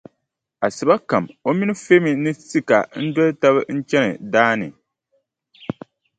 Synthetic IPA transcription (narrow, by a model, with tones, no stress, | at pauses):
a˨sɨ˨ba˦ka˨mo˦mi˦nɨ˦fe˦mi˨nɨ˦si˦ka̰˨n̩˦dɔ˦lta˦βɨ˦n̩˦t͡ʃɛ˦nɨ̰˨daː˦nɨ̰˨